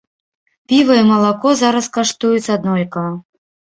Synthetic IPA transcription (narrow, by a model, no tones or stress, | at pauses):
pʲivɐimɐlˠakɔzaɾɐskaʂt̪ujusɐd̪nɔlʲkɐ